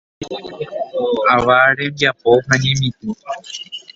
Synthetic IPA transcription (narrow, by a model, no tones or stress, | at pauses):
aʋaɾẽmbjapoɦãɲẽmĩt̪u